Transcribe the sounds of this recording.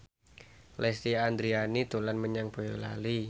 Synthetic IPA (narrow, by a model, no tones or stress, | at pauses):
lɛst̪iand̪ɾianit̪ulanməɲaŋb̥o̤jola̰li